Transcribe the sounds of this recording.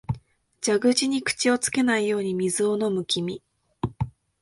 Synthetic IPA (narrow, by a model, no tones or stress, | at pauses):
d͡ʑaɡɯ̟ʑiɲ̟ikɯ̟̥t͡ɕio̞t͡sɨ̥ke̞naijo̞ːɲ̟imʲizɨo̞no̞mɯ̟kʲimʲi